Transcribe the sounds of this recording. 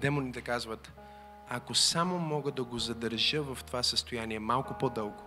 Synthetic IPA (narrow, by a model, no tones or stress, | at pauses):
d̪ɛmonit̪ɛkazvət̪ | akosamomɔɡəd̪ɐɡozɐd̪əɾʒəvɐft̪ovasəst̪ojaniɛmalˠkʊpod̪ɤlˠɡo̥